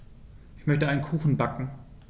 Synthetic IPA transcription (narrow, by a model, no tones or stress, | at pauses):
ʔɪçmœçtəaɪnənkʰuːxn̩bakŋ̩